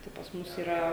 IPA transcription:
tɐɪ pɐs ˈmʊs iːˈrɐ

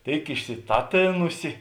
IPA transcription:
ˈtʲeːɪk ɪʃʲsʲɪˈtɑːˌtʲeːnʊsʲɪ

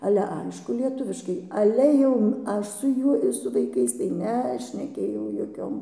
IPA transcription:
ˈɑːlʲɛ ˈɐɪʃkʊ lʲiɛˈtʊʋʲɪʃkɐɪ ˈɑːlʲɛ jɛʊ ˈɐʃ sʊ ˈjuɔj ɪr sʊ ʋɐɪˈkɐɪs tɐɪ nʲɛʃʲnʲɛˈkʲeːjɛʊ joːˈkʲoːm

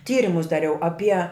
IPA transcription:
ˈtʲiːrʲɪmʊs dɐˈrʲɛʊ ɐˈpʲiɛ

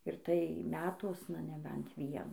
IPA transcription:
ɪr tɐɪ ˈmʲæːtuɔsnɐ nʲɛˈbʲɛnt ˈʋʲiɛnuː

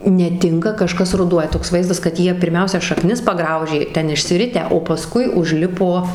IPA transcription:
nʲɛˈtʲɪŋkɐ kɐˈʃkɐs rʊˈduɔjɛ toːks ˈʋɐɪzdɐs kɐt ˈjiɛ pʲɪrʲˈmʲɛʊsʲɛ ʃɐˈknʲɪs pɐˈɡrɐʊʒʲeː ˈtʲɛn ɪʃʲsʲɪˈrʲɪtʲæː oː pɐˈskʊɪ ʊʒʲˈlʲɪpoː

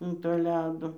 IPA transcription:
ɐn toː ˈlʲæːdoː

